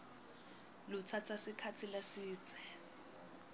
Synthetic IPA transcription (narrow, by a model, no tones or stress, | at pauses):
lʊt͡sʰat͡sʰasikʰat͡sʰilasiːt͡sʰʼɛ